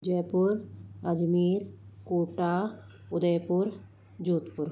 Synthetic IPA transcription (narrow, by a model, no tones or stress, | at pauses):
d͡ʒejpuɾəd͡ʒmiɾkuːʈa | ʊd̪əjpuɾ | d͡ʒuːt̪puɾ